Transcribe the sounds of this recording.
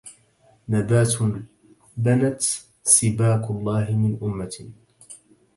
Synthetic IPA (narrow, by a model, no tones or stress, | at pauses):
nabaːt̪ | banat̪ | sˤɪbaːkʊlˤːɑːɦɪmɪnʔʊmːa